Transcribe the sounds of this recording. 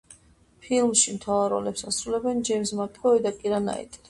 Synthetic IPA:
pʰilmʃimt̪ʰavaɾɔ̰lɛpsasɾulɛbɛnd͡ʒɛmsmapʼɔɛd̪akʼiɾana̰ḭt̪ʼ

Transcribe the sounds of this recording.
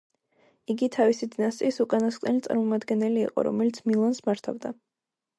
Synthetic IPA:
iɡit̪ʰavisid̪inast̪ʼiisukʼanasq̪ʼɛlit̪sʼa̰ɾmɔmad̪ɡɛnɛlḭːqʼɔ̰ɾɔ̰mɛlit̪sʰmilˠansmaɾt̪ʰavd̪a

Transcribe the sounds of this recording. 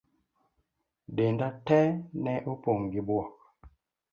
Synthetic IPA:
dendatɛnɛʔopoŋɡibwɔk

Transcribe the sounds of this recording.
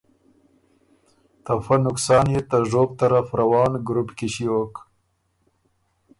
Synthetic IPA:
t̪afanʊksɑːnjet̪aʒoːb̚t̪aɾafɾawɑːnɡɾupkɪʃiok

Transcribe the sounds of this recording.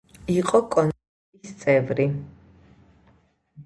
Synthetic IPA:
iqʼɔkʼɔn | isst̪sʼɛvɾi

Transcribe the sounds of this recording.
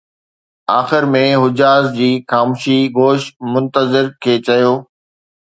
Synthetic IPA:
aːxɪɾmẽɦʊd͡ʑaːzd͡ʑiːxaːmuʃiɡoːʃmʊ̃nt̪əzɪɾkʰeːt͡ɕɐjoː

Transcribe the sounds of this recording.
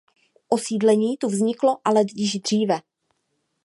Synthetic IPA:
ʔosiːdlɛɲiːt̪uvzɲɪklo̞ʔalɛdjɪʒd̪r̝iːvɛ

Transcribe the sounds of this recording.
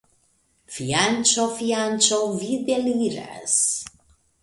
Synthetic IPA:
fiant͡ʃofiant͡ʃovid̪eliɾa̰s

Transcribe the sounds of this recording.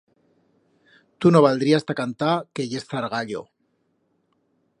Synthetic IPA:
t̪uno̞βald̪ɾiast̪akant̪ake̞ʝe̞sθaɾɣaʎo̞̰

